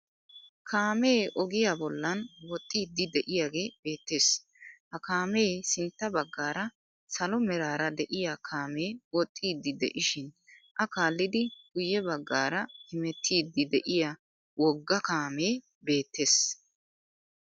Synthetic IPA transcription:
kʰaːme̞ːʔɔɡɪjabɔlːɐnwɔt̪ʼːiːd̪ːɪd̪ɛʔɪjaːɡe̞ːb̥e̞ːt̪ːe̞ːs | hɐkaːme̞ːsɪnt̪ːɐbɐɡːaːɾɐ | sɐlɔmɛɾaːɾɐd̪ɛʔɪjakʰaːme̞ːwɔt̪ʼːiːd̪ːɪd̪ɛ̰ʔɪʃɪnʔɐkaːlːɪd̪ɪɡʊjːɛbɐɡːaːɾɐhɪmɛt̪ʰːiːd̪ɪd̪ɛʔɪja | wɔɡːɐkaːme̞ː | be̞ːt̪ːe̞ːs

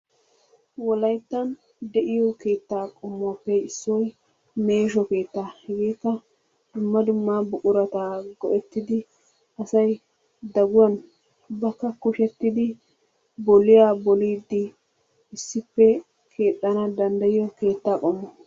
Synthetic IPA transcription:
wɔlɐjt̪ːɐn | d̪ɛʔɪjɔkeːt̪ːaːkʼɔmːapːɛɪsːɔj | me̞ːʃɔke̞ːt̪ːaːhɛɡeːkːɐ | d̪̥ʊmːɐd̪ʊmːaːbʊkʼʊɾɐt̪aːɡɔʔɛt̪ːɪd̪ɪ | ɐsɐj | d̪ɐɡʊwɐn | bɐkːɐkʊʃɛt̪ːɪd̪ɪ | bɔlɪjaːbɔliːd̪ːɪ | ɪsːɪpːɛ | kʰe̞ːt̪ʼːɐnɐd̪ɐnd̪ɐjɪjɔke̞ːt̪ːaːkʼɔmːɔ

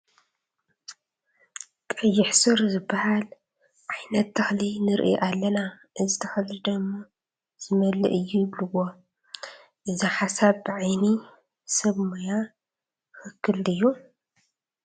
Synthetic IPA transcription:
kʼɐjːɪħsɨɾzɨbːahal | ʕajnɐt̪ːɐxlinɨɾʔḭʔalːɐna | ʔɨzɨt̪ʰɐxɐlɨd̪ɐmːo | z̥ɨmɐlːɨ̰ʔɨjːujɪβlɨwo̞ | ʔɨziħasaβbɨʕajni | sɐβmoja | xɨkʰːɨld̪ɨjːu

